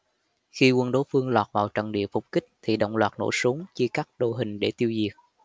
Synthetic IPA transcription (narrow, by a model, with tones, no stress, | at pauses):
xi˧kwə˧nɗo˨˦fɨ˧əŋlwaː˨˩t̚vaː˨˩wt͡ɕə̰˧˩nɗḭ˧˨əfʊ˨˩k͡p̚kï˦˥k̟̚t̪ʰi˨˩ɗə̰˧˨wŋ͡mlwaː˨˩t̚no̰˧˩su˨˦əŋt͡ɕɨ˧kaː˦˥k̚ɗo̰˧˨ɦï˨˩ŋ̟ɗe˧˩t̪i˧əwzi˨˩ək̚